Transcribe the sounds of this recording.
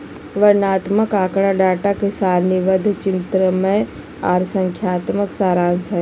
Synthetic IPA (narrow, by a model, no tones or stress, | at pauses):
ʋəɾnaːt̪məkaːkɽaɖaːʈakesaːɾniʋəd̪ʱt͡ʃɪnt̪ɾəmẽ | a̰ːɾsəŋkʰjaːt̪məksaːɾaːnsə